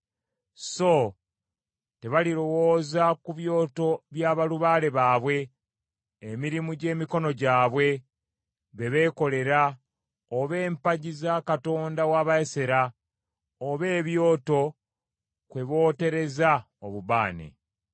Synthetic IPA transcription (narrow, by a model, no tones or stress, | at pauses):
so | te̞βaliɾo̞wo̞ːzakuβjo̞ːto̞βjaːβaluβaːle̞βaːβwe̞ː | miɾimuɟe̞ːmiko̞no̞ɟaːβwe̞ | βe̞βe̞ːko̞le̞ɾa | oβe̞ːmpaɟizakato̞ːndawaːβajeseɾa | oβe̞ːβjo̞ːto̞ | kwe̞βo̞ːte̞ɾe̞za | oβuβa̰ːnḛ